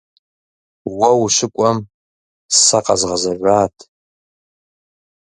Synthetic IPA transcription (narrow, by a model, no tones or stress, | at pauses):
wɐwʃʷɪkʷʼɐm | ssaqʼɑ̰zʁɐzɐʒʷaːtʼʰ